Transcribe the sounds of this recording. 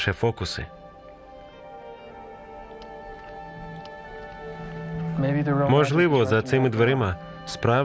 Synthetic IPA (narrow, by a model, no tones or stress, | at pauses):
ʃɛfɔkʊsɪ̰ | meɪbiðəɹomɔʒlˠɪʋɔzɐt̪sɪmɪd̪ʋeɾɪma | spɾɑ